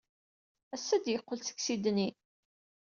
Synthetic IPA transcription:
æsːæd̪jəqːəlt͡sə̥ksid̪ni

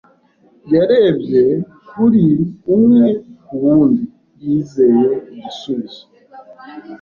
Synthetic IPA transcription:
jaɾebje | kuɾiumwekuβuːndi | jizejeβisuzi̥

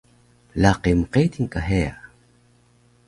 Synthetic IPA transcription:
laqemqet̪iŋkaɦea̰

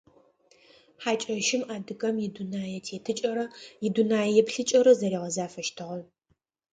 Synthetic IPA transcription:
ħaːt͡ʃʼɐʃɪmaːdɨɣɐmjɪdunaːjɛtʰeːtʰɨt͡ʃʼɐɾɐjɪdunaːjjɛpɬɨt͡ʃʼɐɾɐzɐɾiːʁɐzaːfɐʃtʰɨʁɐn

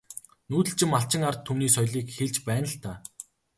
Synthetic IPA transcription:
nuːt̪ɘ̆ɬt͡ɕɪ̆maɬt͡ɕɪ̆ŋart̪ʰːumniːsɔjɮiːkxeɮt͡ɕpæːnə̆ɬt̪aː

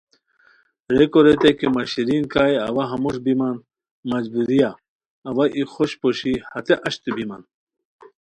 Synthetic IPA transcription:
ɾekoɾet̪ekemɐɕiɾinkaːjɐ̰wɐɦɐmuʂbiman | mɐd͡ʑbuɾijaː | waʔixoɕpoɕihɐt̪eʔɐɕt̪ubiman

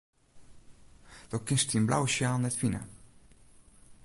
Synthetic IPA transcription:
d̥̪owkɪnst̪imbla̰wʃjaːlˠnɛt̪fina̰

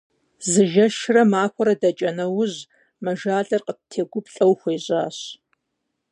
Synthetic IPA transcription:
zɨʒɐʃrɐmaːxʷɔɾɐdɐt͡ʃʼɐnɐwʊʑ | mɐʒaːɮʼɐrqətʰeːɡʷʊpɬʼɐwxʷejɕʼaːɕ

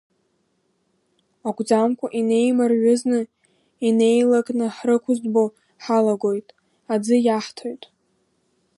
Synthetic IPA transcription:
aɡʷʼd͡zamkʷʰʼaʔine̞jmarʕʷʊznɨ | ine̞jlakʼnɨħrɨkʷʰʊzbo | ħalaɡʷo̞jtʼ | ad͡zɨjaħtʰojtʼ

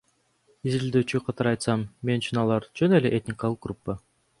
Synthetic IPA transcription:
izild̪øːt͡ʃyqʰɑt̪ɑɾɑjt̪sɑmme̞nyt͡ʃynɑlˠɑɾd͡ʒøneleʔet̪ʲnʲɪkɑlˠɯq̚ɡrupːə

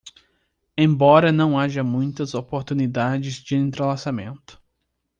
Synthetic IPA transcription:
ẽj̃bɔɾɐnɐ̃w̃aʒɐmũj̃t̪ɐzopoɾt̪unid̪ad͡ʒɪzd͡ʒɪẽnt̪ɾelasamẽnt̪ʊ̥

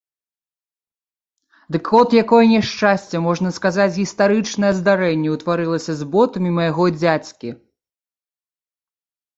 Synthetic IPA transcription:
d̪ɨkɔt̪jakɔjɐnʲɛʂt͡ʂasʲt͡sʲɛmɔʐnɐskazat͡sʲɣʲist̪aɾɨt͡ʂnɐjɛzd̪aɾɛnʲːɛwt̪vaɾɨlˠɐsʲɐzbɔt̪ɐmʲimɐjaɣɔd͡zʲat͡sʲkʲi

